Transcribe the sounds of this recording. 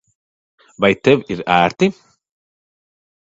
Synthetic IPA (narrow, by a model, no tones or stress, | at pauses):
vajt̪ɛwiɾæːɾt̪i